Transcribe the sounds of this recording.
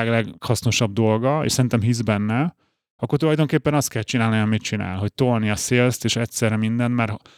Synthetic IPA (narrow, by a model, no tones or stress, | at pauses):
ɡlɛɡhɒsno̞ʃɒb̚d̪o̞lɡɒḛʃsɛɾint̪ɛmɦizbɛnːɛ | ɒkːort̪ulɒjd̪o̞ŋkeːpːɛnɒst̪kɛlt͡ʃinaːlniɒmit̪̚t͡ʃina̰ːlɦo̞c̚t̪olniɒseːlst̪eːʃɛtʲsɛrɛmind̪ɛnt̪mɛr